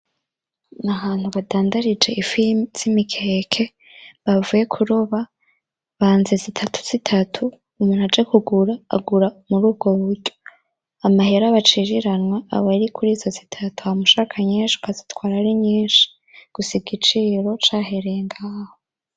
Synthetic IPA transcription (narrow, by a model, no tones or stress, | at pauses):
nahaːn̥huβadaːndaɾid͡ʒe̞ʔifimz̥imikʰekʰe̞ | βavuje̞kʰuɾoβa | βaːnze̞zitʰatʰu̥z̥itʰatʰuː | muːn̥uhad͡ʒekuɡuɾa̰ːɡuɾamuɾuːb̚ɡo̞βuɾɟo̞ | amaheɾaβat͡ʃiːɾiɾanwaa̰βaɾikʰuɾiːzo̞zitʰatu̥hamuʃaːkʰaɲeːnʃu̥kazitwaːɾaɾiɲiːnʃi̥ | ɡ̥usiɡit͡ʃiːɾo̞t͡ʃaːɦeɾeeŋɡaːhoo